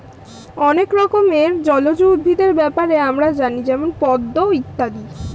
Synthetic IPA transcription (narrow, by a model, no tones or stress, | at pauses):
ɔnekɾɔkomeɾd͡ʑɔlod͡ʑub̪ʱid̪eɾbɛpaɾeamɾad͡ʑanid͡ʑɛmonpɔd̪ːoit̪ːad̪i